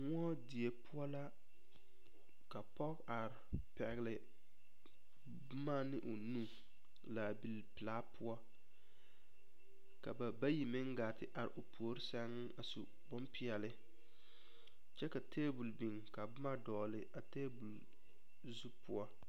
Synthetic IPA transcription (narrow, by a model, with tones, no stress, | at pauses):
ŋ˦ɔ˦di˨e˨pʰʊ˦a˦la˦ | ka˨pɔ˦ka˨ɾpɛ˨ɣlɪ˨ | bʊ˦ma˦nɪ˦ʔo˨nu˦ | la˨bi˨lpɨ˨laː˦pʊ˦a˦ | ka˨ba˨ba˦ji˨mɪ˦ŋ˦ɡa˨tɪ˦ʔa˨ɾɪ̰˨ʔo˨pʰo˨˦ɾɪ˦sa˦ŋ˦a˨su˨ | bɔ˦mpi˨ɛ˨lɪ˦ | t͡ʃɛ˦ka˨teː˦bu˨lbi˨ŋka˨bʊ˦ma˦dɔː˨lɪ˨ʔa˨teː˦bu˨l | zu˦pʊ˦a˦